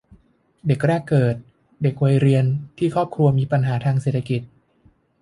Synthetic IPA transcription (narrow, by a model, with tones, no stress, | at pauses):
de˨˩k̚ɾɛː˥˩kːɤː˨˩t̪̚ | de˨˩k̚wa˧jɾi˧ənt̪ʰiː˥˩kʰɾɔː˥˩p̚kʰɾu˧ɐmiː˧pa˧nɦaː˩˦t̪ʰaː˧ŋse˨˩t̪ʰːa˧ki˨˩t̪̚